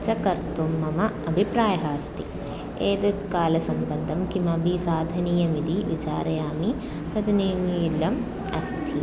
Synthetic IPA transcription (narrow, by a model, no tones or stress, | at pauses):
t͡ʃɐkɐɾt̪umːɐmɐɐbʱipɾaːjɐɦaːst̪i | eːd̪ɐkaːlɐsɐmbɐnd̪ʱɐmkimɐbʱisaːd̪ʱɐnijɐmid̪iʋit͡ʃa̰ːɾɐjaːmi | t̪ɐd̪niilːɐm | ɐst̪ʰi